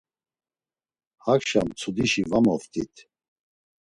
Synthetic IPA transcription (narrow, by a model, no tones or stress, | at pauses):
hakʃa̰mt͡sʰud̪iʃivamɔft̪ʰʼḭt̪ʰ